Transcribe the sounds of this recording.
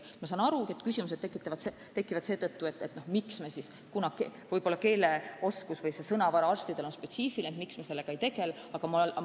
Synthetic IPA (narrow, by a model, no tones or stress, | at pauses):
mɑsɑːnɑɾukiet̪ˑkysimus̬e̥t̪ːekːˑit̪ːˑɑvɑt̪se | t̪e̞kːˑivɑd̪se̞ːd̪ɤt̪ːuet̪ːˑet̪ːno̞hmiksmesiskunɑkevɤjbo̞lːɑke̞ːle̞oskusvɤjse̞sɤnɑvɑɾɑɑrst̪id̪̥e̞lo̞nspe̞t̪siːfilneet̪miksmese̞lːe̞ɡ̥ɑe̞jt̪e̞ɡe̞l | ɑɡ̥ɑmɑ